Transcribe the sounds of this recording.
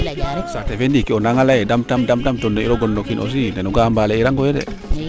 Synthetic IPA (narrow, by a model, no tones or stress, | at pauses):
aɾoksatefendikionaŋalajedamtamdamdamtonːeiɾoɡonːokinʔo̰s̬inenuɡaambaleiɾaŋɡojedɛ̰